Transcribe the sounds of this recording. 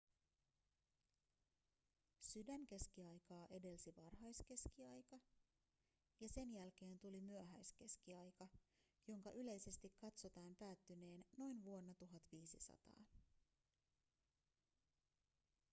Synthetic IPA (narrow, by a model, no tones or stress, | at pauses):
sydæŋk̟e̞sk̟iɑjkɑːʔe̞de̞lsiʋɑrɦɑjske̞skiɑjkɑ | jɑse̞njælk̟e̞ːnt̪ulimyøɦæjske̞skiɑjkɑ | jo̞ŋkɑʔyle̞jse̞st̪ikːɑt̪so̞t̪ɑːmpæːt̪ːyne̞ːnːo̞jnʋuo̞nːɑt̪uɦɑt̪ʋiːsisɑ̰t̪ɑ̰ː